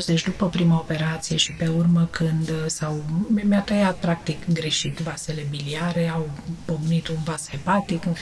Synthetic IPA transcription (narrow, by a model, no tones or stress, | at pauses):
sd̪et͡ʃd̪upəpɾimao̞pe̞ɾat̪sije̞ʃipe̞urməkʰɨnd̪sawmjat̪əjat̪̚pɾak̚t̪ikɡɾe̞ʃit̪vase̞le̞biliaɾe̞awpoɡnit̪unvasepat̪ik